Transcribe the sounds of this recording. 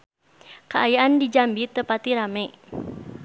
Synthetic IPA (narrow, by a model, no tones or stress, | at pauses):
kəajaʔandid͡ʒambit̪əpat̪iɾamɛ